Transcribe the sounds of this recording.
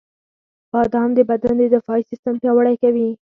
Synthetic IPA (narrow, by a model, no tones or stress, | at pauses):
b̥ɑd̪amd̪əbad̪and̪ed̪ɪfɑisɪst̪ampjɑwəɽajkawi